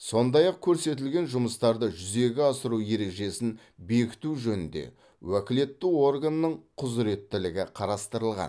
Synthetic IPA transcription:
so̞nd̪ɑjɑq̚kʲʰɵɾse̞t̪̬ɪlɡʲe̞nʒʊməst̪ɑɾd̪əʒʏze̞ɡʲɪɑsəɾuje̞ɾe̞kʒe̞sɪn | be̞kʲɪ̥t̪uʒɵnɪnd̪e̞̰ | wækʲɪle̞t̪ːɪwo̞rɡanːəɴqʰʊzɾe̞t̪ːɪlɪɡʲɪqʰɑɾɑst̪əɾəlˠʁɑ̰n

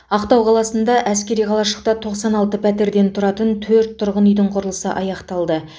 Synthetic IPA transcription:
ɑqt̪ɑwqʰɑlˠɑsənd̪ɑʔæskʲe̞ɾijqʰɑlˠɑʃəq̚t̪ɑt̪ʰo̞qsɑnɑlˠt̪əpʰæt̪e̞ɾd̪e̞nt̪ʰʊɾɑt̪ənt̪ʰɵɾt̪ʰːʊɾʁənʏjd̪ɪɴqʰʊɾəlˠəsə̰ʔɑjɑqt̪ɑlˠd̪ə

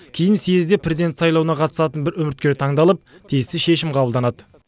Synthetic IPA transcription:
kʲʰejɪnsezd̪e̞pʰɾezʲid̪ent̪sɑjlˠɑwənɑqʰɑt̪ə̥sɑt̪ənbɪɾɵmɪɾt̪̚kʲe̞ɾt̪ʰɑɴd̪ɑlˠəp̚t̪ʰijɪst̪ɪʃe̞ʃɪmqʰɑbəlˠd̪ɑnɑd̪ə

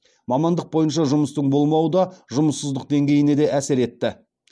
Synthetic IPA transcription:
mɑmɑnd̪əq̚bo̞jənʃ̬ɑʒʊməst̪əɴbo̞lˠmɑwəd̪ɑʒʊməsːəzd̪əq̚d̪e̞ŋɡʲe̞jɪne̞d̪e̞ʔæsɪɾe̞t̪ːɪ

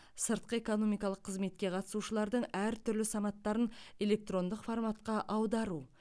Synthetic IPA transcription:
səɾt̪̚qəe̞ko̞no̞mijkɑlˠəqʰːəzme̞t̪̚kʲe̞qʰɑt̪ə̥suʃəlˠɑɾd̪əɴæɾt̪ʰʏɾlɪsɑnɑt̪ːɑɾəne̞le̞k̚t̪ro̞nd̪əqformat̪qɑʔɑwd̪ɑɾu

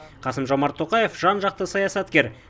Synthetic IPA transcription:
qʰɑsəmʒo̞mɑɾt̪ʰːo̞qɑje̞fʒɑnʒɑq̚t̪əsɑjɑsɑt̪kʲe̞ɾ

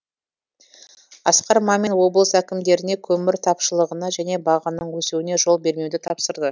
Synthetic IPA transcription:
ɑ̰sqɑɾmɑme̞nwo̞bəlˠəsækʲɪmd̪e̞ɾɪne̞kʲʰɵmɪɾt̪ʰɑpʃəlˠəʁənɑʒæne̞bɑʁɑnəɴwɵsuwɪne̞ʒo̞lˠbe̞ɾme̞wd̪ɪt̪ʰɑpsəɾd̪ə

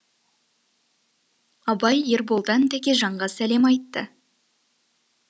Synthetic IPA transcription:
ɑbɑjeɾbolˠd̪ɑnd̪æɡʲeʒɑɴʁɑsæle̞mɑjt̪ːə

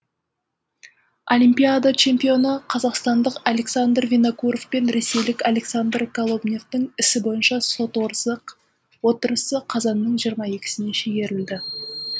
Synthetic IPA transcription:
olʲimpʲijad̪at͡ʃʰe̞mpʲijo̞nəqʰɑzɑqst̪ɑnd̪əqalʲe̞ksand̪rvʲenokuɾofpe̞nɾe̞se̞jlɪkʲalʲe̞ksand̪rkʰolˠo̞bnʲe̞ft̪ɪŋɪsɪbo̞jənʃɑso̞t̪wo̞ɾsəq | wo̞t̪əɾəsəqʰɑzɑnːəɴʒijəɾmɑe̞kʲɪ̥sɪne̞ʃeɡʲe̞ɾɪld̪ɪ

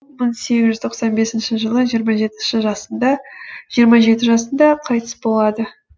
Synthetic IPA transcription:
məɴse̞ɡʲɪzʒʏzt̪ʰoqsɑnbe̞sɪnʃɪʒəlˠəʒijəɾmɑʒe̞t̪ɪnʃɪʒɑsənd̪ɑʒ̥ijəɾmɑʒe̞t̪ɪʒɑsənd̪ɑqʰɑjt̪əsbo̞lˠɑd̪ə

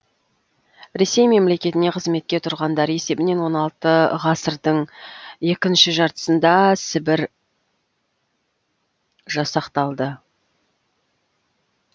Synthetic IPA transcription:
ɾe̞se̞jme̞mle̞kʲe̞t̪ɪne̞qʰəzme̞t̪̚kʲe̞t̪ʰʊɾʁɑnd̪ɑɾe̞se̞bɪne̞nwo̞nɑlˠt̪əʁɑsəɾd̪əɴje̞kʲɪnʃɪʒɑɾt̪ə̥sənd̪ɑsɪbɪɾ | ʒɑsɑqt̪ɑlˠd̪ə

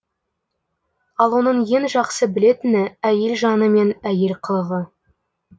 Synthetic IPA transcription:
ɑlˠwo̞nəɴje̞ŋʒɑqsəbɪle̞t̪ɪnɪæje̞lʒɑnəme̞næje̞lqʰəlˠəʁə

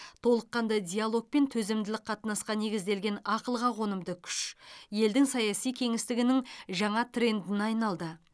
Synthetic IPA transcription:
t̪ʰo̞lˠəqːɑnd̪ɑd̪ʲijalˠo̞k̚pe̞nt̪ʰɵzemd̪ɪlɪk̚qʰɑt̪nɑsqɑne̞ɡʲɪzd̪e̞lɡʲe̞nɑqəlˠʁɑʁo̞nəmd̪əkʲʰʏ̥ʃje̞ld̪ɪŋsɑjɑsijkʲʰe̞ŋɪst̪ɪɡʲɪnɪŋʒɑɴɑt̪ʰre̞nd̪ɪnɑjnɑlˠd̪ə

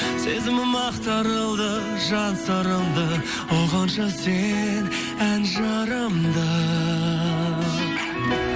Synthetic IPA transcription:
se̞zɪmɪmɑqt̪ɑɾəlˠd̪ə | ʒɑnsɑɾəmd̪ə | woʁɑnʃɑsen | ænʒɑɾəmd̪ə

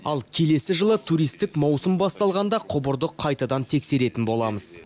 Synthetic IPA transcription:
ɑlˠkʲʰe̞le̞sɪʒəlˠət̪ʰuɾijst̪ɪkmɑwsʊəmbɑst̪ɑlˠʁɑnd̪ɑqʰʊbʊɾd̪əqʰːɑjt̪ɑd̪ɑnt̪ʰe̞kse̞ɾe̞t̪ɪnbo̞lˠɑməz̥

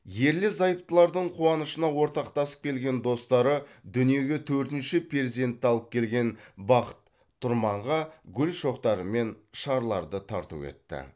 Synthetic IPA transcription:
je̞ɾlɪzɑjəp̚t̪əlˠɑɾd̪əɴqʰuwɑnəʃənɑwo̞ɾt̪ɑqt̪ɑsə̥p̚kʲʰe̞lɡʲe̞nd̪o̞st̪ɑɾəd̪ʏnije̞ɡʲe̞t̪ʰɵɾt̪ɪnʃɪpʰeezid̪e̞nt̪ːɑlˠəp̚kʲʰe̞lɡʲe̞nbɑqə̥t̪ʰː | ʊɾmɑɴʁɑɡʲʏlʃo̞qt̪ɑɾəme̞nʃɑɾlˠɑɾd̪ət̪ʰɑɾt̪ṵwḛt̪ːɪ̰

